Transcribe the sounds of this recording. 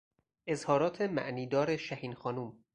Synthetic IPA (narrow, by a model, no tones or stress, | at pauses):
ʔe̞zhɒːɾɒːt̪ʰe̞mæ̰ʔniːd̪ɒːɾe̞ʃæhiːnxɒːnuːm